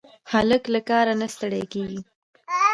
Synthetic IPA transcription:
haləklakɑɾanast̪aɽajkeɡi

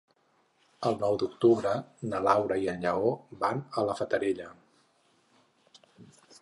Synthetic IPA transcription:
əlˠnɔwd̪uk̚t̪uβɾənəlawɾəiəʎʎəobanələfət̪əɾeʎə

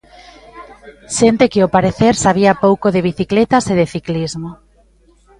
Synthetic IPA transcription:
ʃent̪ekeopaɾeθeɾsaβ̞iapowkoðeβ̞iθiklet̪aseðeθiklizmo

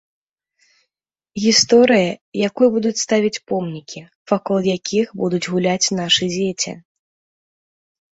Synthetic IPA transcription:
ɣʲist̪ɔɾɨjɐjakujɐbud̪ut͡sʲst̪avʲit͡sʲpɔmnʲikʲi | vakɔlˠjakʲʰixbud̪ud͡zʲɣulʲat͡sʲnaʂɨd͡zʲet͡sʲɐ̰

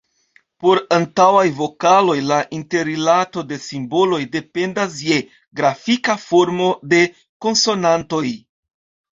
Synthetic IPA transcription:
po̞ɾantawajvo̞kalo̞jlaʔinte̞ɾilato̞de̞simbo̞lo̞jde̞pe̞ndas̬je̞ | ɡɾafikafo̞ɾmo̞de̞ | ko̞nso̞nanto̞j

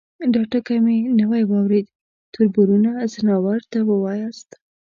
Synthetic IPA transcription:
ɖɑʈakamenəwajwɑwɾed̪ | t̪ʊɾbʊɾunazənɑwaɾt̪awəwɑjɑst̪

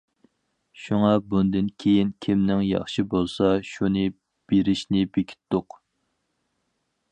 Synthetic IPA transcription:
ʃuŋɑbund̪ɨnkʲʰejinkʲʰimnɪŋjɑ̰χʃibolˠsɑʃunɨ | b̥eɾɪʃnɪbekʲʰi̥t̪ːʊq

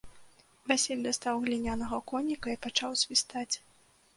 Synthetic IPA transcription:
vasʲelʲd̪ast̪awɣlʲinʲanɐɣɐkɔnʲːikɐipat͡ʂawsʲvʲist̪at͡sʲ

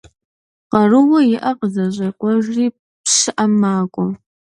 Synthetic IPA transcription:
qɐrɨwɐjɪʔɐqəzɐʑɐkʷʼɔʒriː | pʂɨʔɐmaːkʷʼɔ

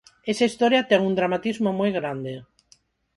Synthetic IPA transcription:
esaist̪ɔɾjɐt̪ɛŋuŋd̪ɾamat̪izmomojɣɾand̪ɪ

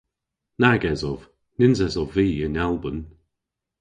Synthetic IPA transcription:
naɡɛzɔv̥ | nɪnzɛzɔvviːənɛlˠbən

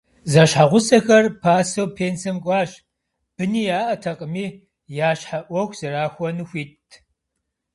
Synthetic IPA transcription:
zɐʃħaʁʷʊsɐxɐrpʰaːsɐwpʰeːnsɐmkʷʼɑːɕ | b̥ɨniːjaːʔɐtʰɐqʼəmiː | jaːɕħaʔʷɔxʷz̥ɐɾaːxʷɔnɨxʷiːtʰ

